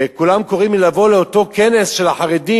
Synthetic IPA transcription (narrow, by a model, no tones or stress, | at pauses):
kulamko̞ʁimilavo̞leot̪o̞kʰene̞sʃelaħaʁed̪i